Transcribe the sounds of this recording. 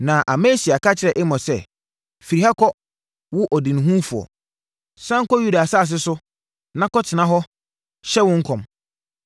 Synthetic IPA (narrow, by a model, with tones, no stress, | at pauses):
nã˨ʔa˨mẽ˦si˨a˨ka˦t͡ɕʰɪ˨ɾɛ˨ʔɪ˦mɔ̃˨sɛ˦ | fi˨ɾi˨ɦa˦kʰɔ˦ | wʊ˦ʔɔ˨dɪ̃˨ñ˨ɦũ˦fu˨ɔ̰˨ | sã˦ŋ̩˦kɔ˦ju˦da˨a˨sa˦˨s̬ɪ˦sʊ˦ | nã˦kɔ˦tʰɪ˨nã˦ɦɔ˦ | ɕɛ˦wʊ̃˦ŋ̩˦kʰɔ̃˨m